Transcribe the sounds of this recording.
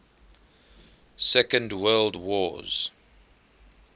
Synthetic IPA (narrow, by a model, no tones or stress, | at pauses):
sɛkə̃ndwɜːldwɔz̥